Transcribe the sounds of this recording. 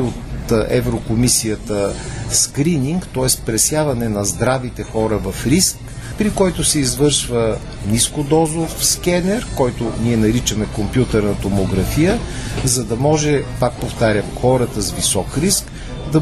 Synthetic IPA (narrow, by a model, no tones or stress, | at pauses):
ot̪ɛ̰vɾokomisijət̪əskɾiniŋkt̪ɔɛspɾɛsjavɐnɛnɐzd̪ɾavit̪ɛxɔɾəvɐfɾisk | pɾikɔjt̪ʊsɛizvɤɾʃvə | mniskod̪ɔzʊfskɛnɛɾkɔjt̪ʊniɛnɐɾit͡ʃəmɛkompjut̪ɛɾnɐt̪omoɡɾɐfijəzɐd̪ɐmɔʒɛpak̚poft̪aɾʲəxɔɾət̪əzvisɔkɾisk | d̪ɐ